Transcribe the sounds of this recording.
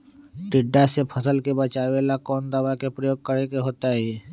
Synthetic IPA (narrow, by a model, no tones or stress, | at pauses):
ʈɪɖːasepʰəsəlkebət͡ʃaːʋelakɔːnd̪əʋakepɾəjoːɡ̚kəɾekeɦoːt̪aɦɛː